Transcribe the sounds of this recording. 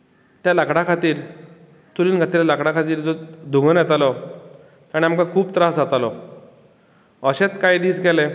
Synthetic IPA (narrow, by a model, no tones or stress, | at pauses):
t̪jalakɽakʰat̪iːɾ | t͡s̪uliːnkʰat̪iːɾlakɽãkʰat̪iːɾd͡zɔd̪ʱuŋɡənjɛt̪alɔ | k̪aɽ̃iamkakʰuːbt̪ɾasd͡zat̪alɔ | əɕet͡skajd̪iːsɡɛle